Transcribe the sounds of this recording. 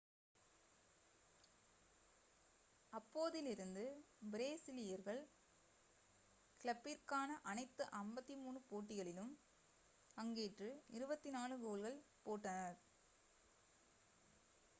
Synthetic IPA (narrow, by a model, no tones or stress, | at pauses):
ɐpːoːðɪlɪɾɯnd̪ɯ | bɪɾeːsɪlɪjɐɾɣɐɭ | kɪlɐpːiɾkaːnɐʔɐnɐɪt̪ːɯʔɐmbɐt̪ːimuːɳɯpoːʈːɪɣɐɭɪlɯm | ɐŋɡeːʈrɯɪɾɯbɐt̪ːinaːnɯɣoːlɣɐɭpoːʈːɐnɐɾ